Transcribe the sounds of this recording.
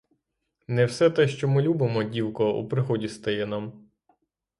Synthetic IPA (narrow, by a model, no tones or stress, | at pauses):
nɛwsɛt̪ɛʃt͡ʃɔmɪlʲubɪmɔdʲiwkɔṵpɾɪɦɔdʲist̪ɐjɛnam